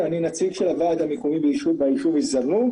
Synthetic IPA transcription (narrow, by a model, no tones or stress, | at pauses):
aninat͡siɡʃelavaːd̪amekomibʃubaiʃuvizaʁnu